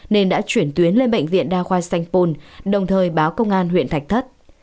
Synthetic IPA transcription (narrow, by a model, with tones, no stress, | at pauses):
ne˧nɗa̰ː˧˥t͡ɕwi˧˩ənt̪wi˨˦ənle˧nɓə̰˧˨jŋ̟vḭ˧˨ənɗaː˧xwaː˧sa˧jŋ̟po˧nɗə˨˩wŋ͡mt̪ʰəː˨˩jɓaː˨˦wkə˧wŋ͡mʔaː˧nɦwḭ˧˨ənt̪ʰa˨˩jk̚t̪ʰə˦˥t̚